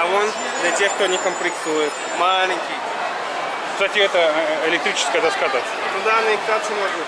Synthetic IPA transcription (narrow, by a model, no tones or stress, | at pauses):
ɐon | d̪lʲɐtʲext̪onʲɪkəmplʲɪk̚t̪ujɪt̪ | malʲɪŋʲkʲɪj | ksatʲɪɛt̪əɪlʲɪkt̪ɾʲit͡ʃɪ̥skəjəd̪askazatʲ | nʊd̪anɨɪkt̪at̪sɨmoʐnə